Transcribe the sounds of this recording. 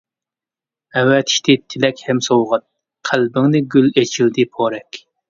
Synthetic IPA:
ɛwɛt̪ʰi̥ʃt̪ʰɪt̪ʰɪlɛkʲhɛmsowʁɑt̪̚ | qʰælbɪŋnɪɡʲylet͡ʃʰild̪ɪpʰoɾɛkʲ

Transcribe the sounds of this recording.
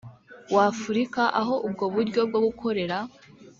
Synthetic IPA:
waːfuɾikaʔaɦo̞ʔub̚ɡo̞βuɾɟo̞b̚ɡo̞ɡukʰo̞ɾe̞ɾa

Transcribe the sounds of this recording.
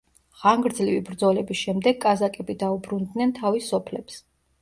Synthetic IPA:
ʁ̥aŋɡɾd̪zlivibɾd̪zɔlɛbisʃɛmd̪ɛɡːʼazakʼɛbid̪aubɾund̪nɛnt̪ʰavisɔpʰlɛps

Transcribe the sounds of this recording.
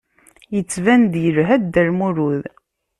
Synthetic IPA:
jət͡sːvænd̪jəɾɦæd̪æɾmuɾuð

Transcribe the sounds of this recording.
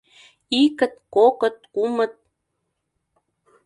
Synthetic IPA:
ikə̆t̪̚kokə̆t̪̚kumə̆t̪̚

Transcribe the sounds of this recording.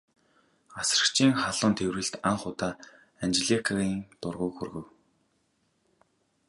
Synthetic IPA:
asrə̆kt͡ɕʰiːŋχaɮʊ̆ːnt̪ʰewrɘ̆ɬt̪aɴχʊt̪aː | ant͡ɕɮikʰaɣiːŋt̪ʊrʁʊːkxurɣɘ̆w

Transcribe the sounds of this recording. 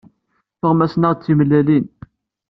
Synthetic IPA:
θəʁmæsnəʁt͡sːimlːælin

